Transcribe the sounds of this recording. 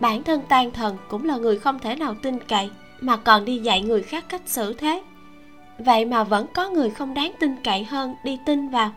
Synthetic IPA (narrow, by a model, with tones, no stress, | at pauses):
ɓaː˧˩nt̪ʰə˧nt̪aː˧ŋt̪ʰə˨˩nkʊ̰˧˥ŋ͡mlaː˨˩ŋɨ˨˩əjxə˧wŋ͡mt̪ʰe˧˩naː˨˩wt̪i˧ŋka̰˧˨j | maː˨˩kɔ˨˩nɗi˧za̰˧˨jŋɨ˨˩əjxaː˦˥kːa˦˥jk̟̚sɨ̰˧˩t̪ʰe˦˥ | və̰˧˨jmaː˨˩və̰˧˥nkɔ˨˦ŋɨ˨˩əjxə˧wŋ͡mɗaː˨˦ŋt̪ï˧ŋka̰˧˨jɦəː˧nɗi˧t̪i˧nvaː˨˩w